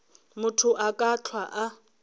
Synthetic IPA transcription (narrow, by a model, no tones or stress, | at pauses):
mʊtʰʊʔakʼat͡ɬʰwaʔa